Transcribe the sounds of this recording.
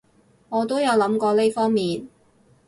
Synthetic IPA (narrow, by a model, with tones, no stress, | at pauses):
ŋɔː˨˧t̪o˥wjɐ˨˧wlɐ˨˥mkɔː˧le˥jfɔː˥ŋmiː˨n